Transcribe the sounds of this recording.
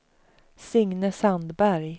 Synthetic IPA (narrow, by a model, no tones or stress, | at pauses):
sʏŋnəsand̪bæɾj